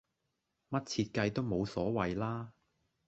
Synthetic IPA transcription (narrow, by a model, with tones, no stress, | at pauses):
mɐ˥t̚t͡sʰiː˧t̚kɐ˧jt̪o˥wmo˨˧wsɔː˨˥wɐ˨jlaː˥